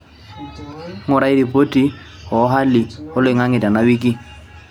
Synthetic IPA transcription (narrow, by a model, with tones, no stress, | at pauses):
ŋʊ˨ɾa˦i˦ɾi˨pʼo˦tʼi˦ | hɔ˨˦ɦa˦lɪ˨hʊ˦lʊ˨ɪ˨ŋa˦ŋɪ˨tʼa˨na˦wi˦kʼi˦